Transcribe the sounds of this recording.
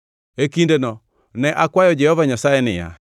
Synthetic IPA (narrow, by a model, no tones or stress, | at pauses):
ekindenɔ | nɛʔakwajɔd͡ʒɛhɔvaɲasaɛnɪa̰